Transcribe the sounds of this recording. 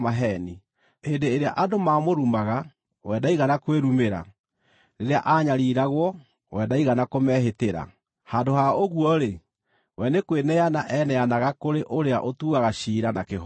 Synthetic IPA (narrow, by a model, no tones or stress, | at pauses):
maɦɛni | endeːɾeaʔadomamoɾumaɣa | wɛdaiɣanakweɾumeɾa̰ | ɾeɾeaʔaɲaɾiɾaɣwɔ | wɛdaiɣanakomɛɦeteɾa̰ | handohaoɣuɔɾe | wɛnekwenɛanaʔɛnɛanaɣakoɾeʔoɾea̰ʔotuːɣaɣaɕiːɾanakeɦ